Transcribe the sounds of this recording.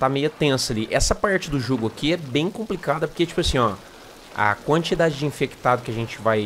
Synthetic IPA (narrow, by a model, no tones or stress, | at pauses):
t̪amejʊɐt̪ẽsɐaliʔɛsɐpaɾt͡ʃɪd̪ʊʒoɡʊakiɛbẽj̃kõmplikad̪ɐpoɾket͡ʃi̥pʊasĩɲ̃ɔ | ɐ̰kwɐ̃nt͡ʃid̪ad͡ʒɪd͡ʒɪĩfekt̪ad̪ʊkɪɐʒẽnt͡ʃɪvaj